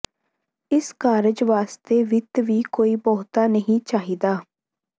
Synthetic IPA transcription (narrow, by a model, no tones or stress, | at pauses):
ɪskaːɾɪd͡ʒʋaːst̪eːʋɪt̪ʋiːkoːiːbɔːt̪aːnəɦĩt͡ʃaːɦid̪aː